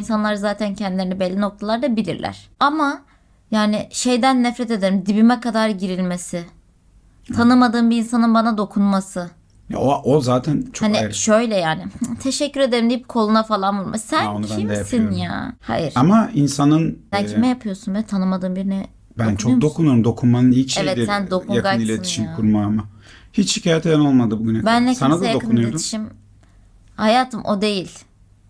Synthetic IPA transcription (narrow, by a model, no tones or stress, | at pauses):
insanlˠaɾɯzaːt̪ʰæncʰɛnd̪ileɾinibelʲːino̞k̚t̪ʰalˠaɾd̪abilʲḭɾlʲæ̰ɾ̥ama | jaːnɪʃe̞jd̪ænːɛfɾɛt̪e̞d̪e̞ɾimd̪ibimɛkad̪aɾɟiɾilʲmesɪ | t̪ʰanɯmad̪ɯːmbiinsanɯnbanad̪o̞kʰunmasɯ | ja̰oʔozaːt̪ʰænt͡ʃʰaniʃøjlʲɛjaːnɪt̪ʰe̞ʃɛcːyɾe̞d̪e̞ɾimd̪ijip̚kʰo̞lˠunafalˠanbulɾˠma̰sæncʰimsinja̰ːha̰jiɾamainsanɯnbælcʰimɛjapʰɯjosunvɛt̪ʰanɯmad̪ɯːmbiɾinɛ | bænt͡ʃʰokd̪o̞kʰunujoɾumd̪o̞kʰunmanɯnhit͡ʃɛjvɛt̪d̪isænd̪o̞kʰujakanilʲetnʰi̥ʃimkʰuɾmaamahit͡ʃhicʰaːjet̪ʰed̪ɛno̞lˠmad̪ɯbuɡynɛbænlʲɛsanad̪jadokɯnunjoed̪ui̥ʃim | hajaːt̪ʰɯmʔo̞̰d̪e̞jilʲ